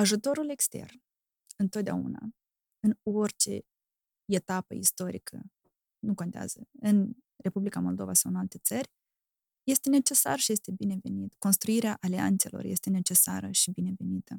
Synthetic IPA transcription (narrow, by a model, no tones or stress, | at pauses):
aʒut̪o̞ɾule̞kst̪e̞̰rn | ɨnt̪ot̪d̪ea̰ṵna̰ | ɨno̞rʲt͡ʃe̞̰ | e̞t̪apə̰ist̪o̞ɾikʰə̰ | nukont̪ea̰z̥əɨn | re̞publikamo̞̰ld̪o̞vasawɨnalt̪e̞t̪sərʲ | je̞st̪e̞ne̞t͡ʃe̞sa̰rʃije̞st̪e̞bine̞ve̞̰nit̪ko̞nst̪ɾuiɾeaʔalia̰nt̪se̞̰lo̞̰rje̞st̪e̞ne̞t͡ʃe̞sa̰ɾəʃibine̞ve̞nit̪ʰə